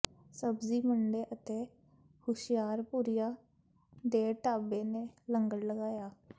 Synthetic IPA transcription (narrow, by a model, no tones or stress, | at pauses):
səbziːməɳɖeːʔət̪eː | hʊʃɪjaːɾpuːɾɪjaː | d̪eːʈaːbeːneːləŋɡəɽləɡaːjaː